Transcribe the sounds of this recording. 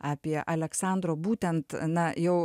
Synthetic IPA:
ɑːpʲiɛʔɐlʲɛksɑˑnd̪ɾoːbuːt̪ʲɛnt̪nɐjɛʊ

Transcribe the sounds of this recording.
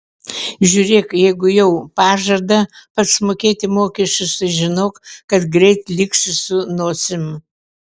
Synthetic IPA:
ʒʲuːɾʲeːkjɛɪɡʊjɛʊpɑːʒɐd̪ɐpɐt̪smoːkʲeːt̪ʲɪmoːkʲɛʃʲt͡ʃʲʊsɐʒʲɪnoːkkɐt̪ɡɾʲɛɪt̪lʲɪksʲɪsʊnoːsʲɪm

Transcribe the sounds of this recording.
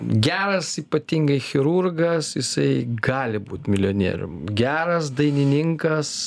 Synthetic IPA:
ɡʲæːɾɐsiːpɐt̪ʲiŋɡɐɪxʲɪɾurɡɐsjɪsɐɪɡɑːlʲɪbuːt̪ʲmʲɪlʲoːnʲḛːɾʲʊ̰mɡʲæːɾɐsd̪ɐɪnʲɪnʲɪŋkɐs

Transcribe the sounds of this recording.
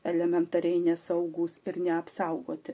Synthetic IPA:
ɛlʲɛmʲɛnt̪ɐɾʲɛɪnʲɛsɐʊɡuːsɪɾnʲɛɐpsɐˑʊɡoːt̪ʲɪ

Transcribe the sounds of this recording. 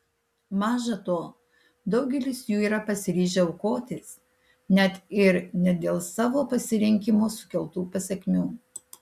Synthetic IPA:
mɑːʒɐt̪oː | d̪ɒʊɡʲɛlʲɪsjuːiːɾɐpɐsʲɪɾʲiːʒʲɛʊkoːt̪ʲes | nʲɛt̪ɪɾnʲɛd̪ʲeːlˠsɑːʋoːpɐsʲɪɾʲɪŋʲkʲimoːsʊ̥kʲɛlˠt̪uːpɐsʲɛkʲmʲuː

